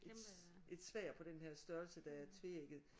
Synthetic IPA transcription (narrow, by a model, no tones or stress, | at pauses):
e̥ʔe̝d̥sʋæɐ̰pʰɒ̽d̥enɦɛɐ̰sd̥ɶɐlsəd̥ææɐt͡sʰʋe̝eɡ̥ð̩ˠ